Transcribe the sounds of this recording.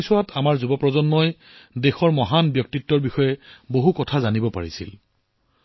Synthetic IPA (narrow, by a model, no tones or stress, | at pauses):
sɔwatʰamaɹzubɔpɹɔzɔnmɔj | dexɔɹmɔɦanbjɔk̚titːɔɹbixɔjɛboɦukɔtʰazanibɔpaɹisḭl